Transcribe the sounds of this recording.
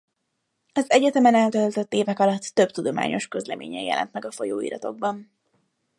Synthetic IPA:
ɒzɛɟɛt̪ɛmɛnɛlt̪ølt̪øt̪ːeːvɛkɒlɒt̪ːø̞bt̪ud̪o̞ma̰ːɲo̞ʃkø̞zlɛmʔḛːɲɛːjɛ̰lʔɛ̰nt̪mɛɡɒfo̞joːḭːɾɒt̪o̞ɡ̚bɒn

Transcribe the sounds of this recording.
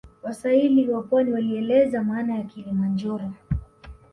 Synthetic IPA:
wasailiwapwaniwaliɛlɛzamaːnajakilimand͡ʒɔɾɔ

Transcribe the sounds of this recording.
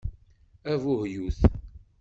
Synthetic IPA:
ævʊhjuθ

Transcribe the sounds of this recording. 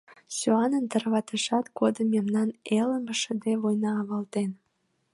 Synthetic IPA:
søɑnənt̪ərβɑt̪əʃɑt̪ɡod̪əmːemnɑneləmbəʃəd̪eβojnɑːβɑlt̪en

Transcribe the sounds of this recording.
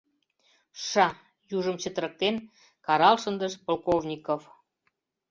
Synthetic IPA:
ʃɑ | juʒəmt͡ɕə̆t̪əɾə̆k̚t̪en | kɑɾɑlʃənd̪əʃpolˠkovnʲikof

